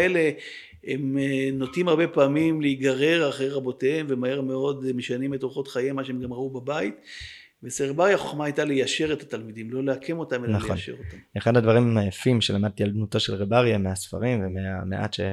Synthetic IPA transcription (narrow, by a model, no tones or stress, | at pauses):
ele̞ | emno̞timaʁbe̞paːmimleiɡaʁeʁaχejʁabo̞teemvemahe̞ʁme̞o̞dmeʃanimetʁuχotχajemaʃeemɡamʁaubabait̪ | veseʁebaʁjaaχo̞χmaajtalejaʃe̞ʁetatalmidimlo̞leakʰe̞mo̞tamelnaχonʃḛʁotaeχadhadvaʁimmajafimʃelamad̪̚t̪ialbnutoʃelʁebaʁjameasfa̰ʁimvemeamḛʔa̰tʃḛ